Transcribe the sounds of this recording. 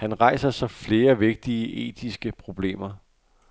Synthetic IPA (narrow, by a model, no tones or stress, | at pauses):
hænʁɑ̈ɪ̰sɐsɒ̽fle̝ːɐʋe̝ɡ̥̚d̥iəʔe̝̰ːd̥ʰisɡ̥əpʰʁo̝b̥le̝̰ːmɐ